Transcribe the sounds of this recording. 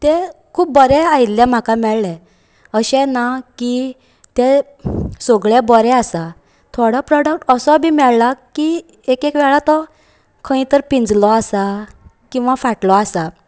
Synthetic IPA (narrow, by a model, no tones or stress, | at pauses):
t̪ɛkʰuːp̚bəɾɛailjãm̤akamɛɭlɛ̃ | əɕɛ̃naki | t̪ɛ | soɡɭɛbəɾɛasa | t̪ʰoɽapɾɔɽək̚ʈəsɔbʱimɛɭlakːi | ekekʋɛɭat̪ɔ | kʰə̃ĩt̪əɾpĩnd͡zlɔasa | kĩw̃ʋafaʈlɔasa